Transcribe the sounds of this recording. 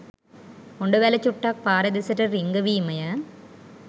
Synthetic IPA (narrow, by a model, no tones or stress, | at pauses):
ɔɳɖɐʋeːlɐt͡ʃːuʈːaːk̚paːɾɐd̪isɐʈːɐɾiŋɡɐʋiːmɐjɐ